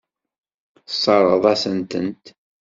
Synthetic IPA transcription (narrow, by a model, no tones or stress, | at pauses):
sˤːɑɾˤəðˤæsənt̪ənt̪